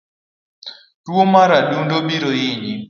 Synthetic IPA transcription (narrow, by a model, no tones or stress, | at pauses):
twomaɾadundobiɾoɪɲi